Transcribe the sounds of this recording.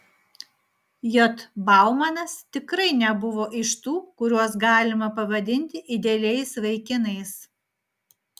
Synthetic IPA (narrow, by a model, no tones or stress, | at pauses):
jɔt̪bɑˑʊmɐnɐst̪ʲɪkɾɐɪnʲɛbʊʋoːʔɪʃt̪uːkʊɾʲuɔsɡɑːlʲɪmɐpɐʋɐd̪ʲɪnʲt̪ʲɪʔɪd̪ʲeːlʲɛɪsʋɐɪkʲɪnɐɪs